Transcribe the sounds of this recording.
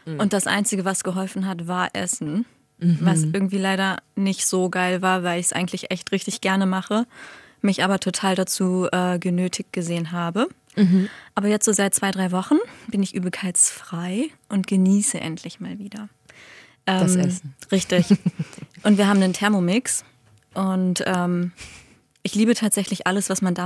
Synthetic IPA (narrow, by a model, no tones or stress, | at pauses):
ʔʊnt̚d̥asʔa̰ɪnt͡sɪɡəvasɡ̥əɦɔlfn̩ɦatvaːɐʔɛ̰sn̩ | vasʔɪɐɡŋ̩tv̥iːlaɪɾɐnɪçtz̥oːɡaɪlvaːɐvaɪlɪçsʔa̰ɪɡŋ̩tlɪçʔɛçtʁɪçtɪçɡ̥ɛɐnəmaχə | mɪçʔaːbɐtʰotʰaːldat͡suːʔɛːɡənøːtʰɪçt̚ɡ̥əzeːənɦaːbə | ʔaːbɐjɛt͡stz̥oːzaɪt̚t͡sv̥aɪdʁaɪvɔχn̩b̥ɪnɪçʔy̰ːbl̩kʰaɪt͡sfʁ̥aɪʔʊntɡ̥əniːsəʔɛ̰ntʰlɪçmaːlviːdɐ | ʔɛːmʁɪçtɪç | ʔʊntv̥iːɐɦaːbm̩nəntʰɛɐmomɪks | ʔʊntʔɛːm | ʔɪçliːbətʰaːtz̥ɛçlɪçʔaləsv̥asmandaː